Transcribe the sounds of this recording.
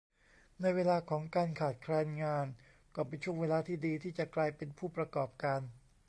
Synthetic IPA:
na˧jweː˧laː˧kʰɔː˩˦ŋkaː˧nkʰaː˨˩t̪̚kʰɾɛː˧nŋaː˧n | kɔː˥˩pe˧nt͡ɕʰu˥˩əŋweː˧laː˧t̪ʰiː˥˩diː˧t̪ʰiː˥˩t͡ɕa˨˩klaː˧jpe˧npʰuː˥˩pɾa˧kɔː˨˩p̚kaː˧n

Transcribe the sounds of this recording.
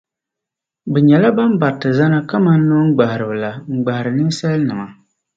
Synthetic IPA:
bɛ˨ɲɛ˨la˦ba˦m˦ba˨tːɨ˨za˦na˦ka˦ma˦n̩ː˦o˦ŋ̩˦ɡ͡ba˨hɪ˨ɾɨ˨bɨ˨la˨ŋ͡m̩˨ɡ͡ba˨hɪ˨ɾɨ˨nɨ˦sa˦lnɨ˨ma˨

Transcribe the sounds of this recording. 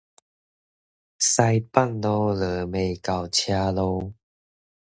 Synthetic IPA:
sa˧jpa˥˨nlɔ˧ləː˨˩˦me˨˩jka˨˩wt͡ɕʰja˧lo˧w

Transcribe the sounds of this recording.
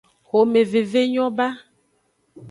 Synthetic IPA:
xo˨me˨ve˨ve˦ɲɔ̃˦ba˦

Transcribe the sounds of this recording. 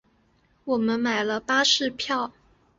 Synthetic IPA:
wɔ˨˩mə˦nma˨˩ɪlə˦pa˥ʂɻ̩˥˧pʰjɑ˥˩ʊ

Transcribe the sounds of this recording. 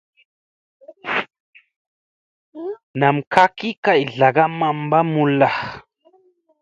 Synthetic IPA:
na˨mka˦ki˦ka˨jɮa˨ɡa˦ma˨mba˦mu˨la˨h

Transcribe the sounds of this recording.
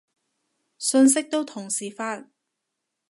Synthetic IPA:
sɵ˧ns̬ɪ˥k̚t̪o˥wt̪ʰʊ˨˩ŋsiː˨˩faː˧˥n̚

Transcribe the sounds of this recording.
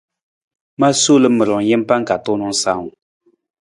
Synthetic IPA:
ma˦so˦lɨ˦mɨ˨ɾɔ˨ŋ˨jɛ˦m˦pa˦ŋ˦ka˨tʊ˦nʊ˦ŋ˦sa˦˨ŋ˨

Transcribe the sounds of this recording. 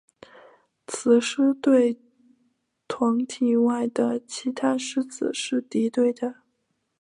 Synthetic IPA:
t͡sʰɹ̩˨˩ʂɻ̩˥t̪we˥˩ɪ | t̪ʰwɑ˧˥ŋt̪ʰi˨˩wa˥˩ɪd̪ə˩t͡ɕʰi˧˥t̪ʰa˥ʂɻ̩˥˩t͡sɹ̩˨˩ʂɻ̩˥˩t̪i˧˥t̪we˥˩ɪd̪ə˩

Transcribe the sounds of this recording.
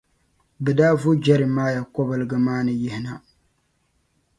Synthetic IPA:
bɛ˨daː˦vʊ˦d͡ʒɛ˦ɾɨ˨maː˦ja˨kɔ˦bɨ˨lɨ˨ɡɨ˨maː˦nɨ˨jɪ˦hɪ˨na˨

